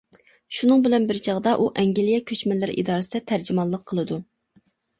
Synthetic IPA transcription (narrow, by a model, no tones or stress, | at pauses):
ʃunɨŋbɪlɛnbɪɾt͡ʃʰɑʁd̪ɑʔuʔɛŋɡʲilijɛkʲʰøt͡ʃmɛlːɪɾḭd̪ɑːɾɨsɪd̪ɛt̪ʰæɾd͡ʒimɑlˠːəqʰːəlˠɨd̪u